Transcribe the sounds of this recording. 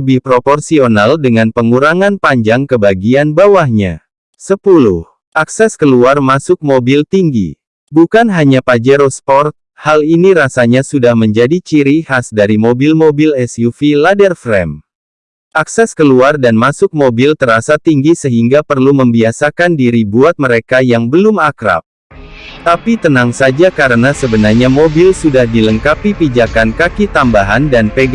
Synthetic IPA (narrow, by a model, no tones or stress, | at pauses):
əbɪhpɾopɔrsionaldəŋanpəŋuɾaŋanpaɲd͡ʒaŋkəbaɡianbawahɲa̰ | səpulṵh | ʔaksɛskəluarmasʊk̚mobilt̪iŋɡḭ | bukanɦaɲapad͡ʒɛɾospɔrt̪̚haliniɾasaɲasudahməɲd͡ʒadit͡ʃiɾihasdaɾimobilmobilɛsjufiladərfɾɛm | ʔaksɛskəluardanmasʊk̚mobilt̪əɾasat̪iŋɡisəɦiŋɡapərluməmbiasakandiɾibuat̪̚məɾekajaŋbəlʊmakɾa̰p̚ | t̪apit̪ənaŋsad͡ʒakaɾənasəbənarɲamobilsudahdiləŋkapipid͡ʒakankakit̪ambaɦandanpeɡ